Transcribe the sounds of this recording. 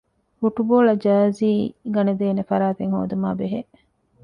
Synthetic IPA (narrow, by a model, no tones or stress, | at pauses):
fuʈuboːlɐd͡ʒɐːziːɡɐned̪eːnefɐɾaːt̪eŋho̰ːd̪uma̰ːbeɦe